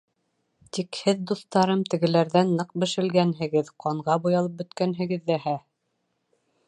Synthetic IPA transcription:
t̪ikhɘðd̪uθt̪ɑɾɤmt̪ɘ̆ɡɘ̆læɾðænːɤq̚bɘ̆ʃɘ̆lɡænɦɘ̆ɡɘðqɑɴʁɑbujɑlˠɤp̚bɵ̆t̪kænɦɘ̆ɡɘ̆ðːæhæ

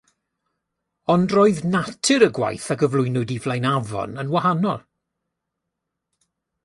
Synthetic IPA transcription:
ɔndroːɨðnatʰɨɾəɡwa̰jθaɡəvlˠʊjnʊdivlˠajnavɔ̰nənwaɦanɔlˠ

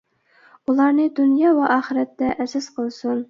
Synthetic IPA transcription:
ulˠɑɾnɨd̪unjɑːwɛʔɑːχəɾɛt̪ːɛʔɛsɪzqʰəlˠsun

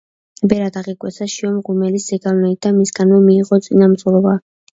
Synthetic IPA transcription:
bɛɾad̪aʁikʼwɛsaʃiɔmɡumɛliszɛɡavnɛid̪amisɡanmɛmiːʁɔt̪sʼinamt̪sʼulˠɔba

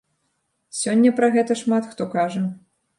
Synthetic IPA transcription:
sʲɔnʲːɐpɾɐɣɛt̪ɐʂmat̪xt̪ɔkaʐɐ

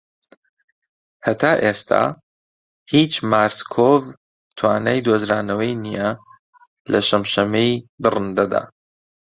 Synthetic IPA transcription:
hɐt̪ʰaːʔest̪ʰa̰ː | hit͡ʃmaːɾskʰov | t̪ʰwaːnaːjd̪oːzɾaːnɐwɐjnijɐ | lʔɐʃɐmʃɐmejd̪ɨrɨnd̪ɐd̪a̰ː

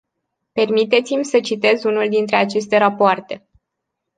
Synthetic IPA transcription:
pe̞rmit̪e̞t̪simʲsət͡ʃit̪e̞zunuld̪int̪ɾe̞at͡ʃe̞s̬t̪e̞ɾapoart̪e̞

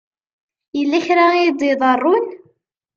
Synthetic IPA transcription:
jəlːæçɾaid̪ˤiðˤərˤːʊn

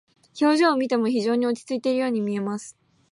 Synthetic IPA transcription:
ço̞ːʑoːmʲit̪e̞mo̞çiʑo̞ːɲ̟io̞t͡ɕi̥t͡sɨit̪e̞ɾɯ̟jo̞ːɲ̟imʲie̞masɨ̥

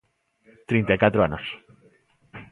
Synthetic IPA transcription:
t̪ɾent̪ajkat̪ɾoanos

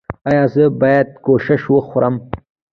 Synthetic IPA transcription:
ɑjɑzəbɑjad̪̚koʃɪʃwəxɾəm

